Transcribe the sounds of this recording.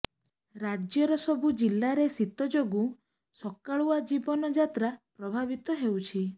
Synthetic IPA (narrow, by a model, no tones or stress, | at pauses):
ɾad͡ʒjɔɾɔsɔbud͡ʒilːaɾesit̪ɔd͡ʒoɡu | sɔkaɭuad͡ʒibɔnɔd͡ʒat̪ɾapɾɔbʱabit̪ɔɦewt͡ʃʰi